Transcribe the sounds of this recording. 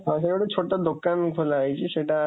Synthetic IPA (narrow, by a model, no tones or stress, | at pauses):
ãʃekoɽet͡ɕʰoʈːad̪okːankʰolajt͡ɕʰiʃeʈa